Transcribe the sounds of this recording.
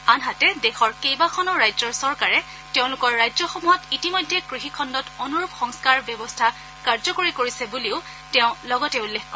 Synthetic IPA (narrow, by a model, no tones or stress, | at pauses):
anɦatɛdexɔɹkejbakʰɔnɔɹajzɔɹsɔɹkaɹɛ | teʊ̃lʊkɔɹːajzɔxɔmuɦɔtitimɔjdʱːɛkɹixikʰɔndɔtɔnuɹupxɔŋskaɹbjɔbɔstʰa | kaɹzɔkoɹikoɹisɛbuliʊ | tɛʊ̃lɔɡɔtɛulːexkɔ